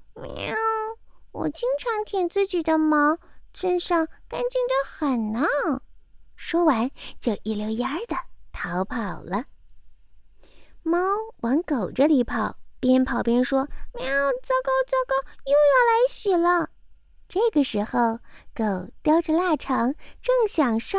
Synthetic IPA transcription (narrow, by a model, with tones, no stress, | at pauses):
m˧˥˩wɔ̰˨˩t͡ɕi˥ŋʈ͡ʂʰɑ˧˥ŋt̪ʰɛ˨˩ŋt͡sɹ̩˥˩t͡ɕi˨˩d̪ə˦mɑ˧˥ʊʂə˥nʂɑ˥˩ŋka˥nt͡ɕy˥˩ŋd̪ə˦xə˨˩nna˧˥ŋ | ʂwɔ˥wa˧˥nt͡ɕjo˥˩ʊʔi˧˥˩ljo˧˥ʊja˥d̪ə˨t̪ʰɑ˧˥ʊpʰɑ˨˩ʊlə˦ | mɑ˥ʊwɑ˧˥ŋko˨˩ʊʈ͡ʂə˦˧li˧˥pʰɑ˨˩˦ʊpjɛ˥npʰɑ˨˩ʊpjɛ˥nʂwɔ˥me˧˥ɑ˥˩ʊt͡sɑ˥˩ʊkɑ˥ʊt͡sɑ˥˩ʊkɑ˥ʊjo˥˧ʊjɑ˥˩ʊla˧˥ɪɕi˨˩lə˧˩ | ʈ͡ʂɤ˥˩ɡə˩ʂɻ̩˧˥xo˥˧ʊko˨˩ʊt̪jɑ˥ʊʈ͡ʂə˧la˥˩ʈ͡ʂʰɑ˧˥ŋʈ͡ʂɤ˥˩ŋɕjɑ˨˩ŋʂo˥˩